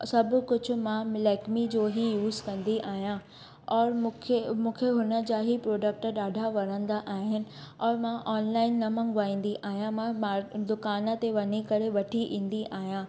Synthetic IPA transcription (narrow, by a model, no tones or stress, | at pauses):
sɐbʱʊ̆kʊd͡ʑʱʊ̆mãmɪlɛːkmid͡ʑoːɦijuːzkɐ̃nd̪iʔaːɦijã | ɔːɾʰmũːkʰeɦʊnə̆d͡ʑaːɦipɾoːɖək̚ʈə̆ɗaːɖʱaʋɐɾə̃nd̪aʔaːɦɪnɪ̆ | ɔːɾmãʔɔːnlaːɪnːɐmɐ̃ŋɡʋaːĩːn̆d̪iʔaːɦijãmãmad̪ʊkaːnə̆t̪eʋɐɲikɐɾeʋɐʈʰiʔĩːn̆d̪iʔaːɦijãː